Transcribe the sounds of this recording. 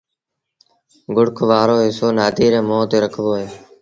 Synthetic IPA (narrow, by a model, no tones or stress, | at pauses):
ɡʊɽkʰʋaːɾoːɦɪsoːnaːd̪ʱiːɾẽːmoːt̪eːɾəkʰʋoːɦeː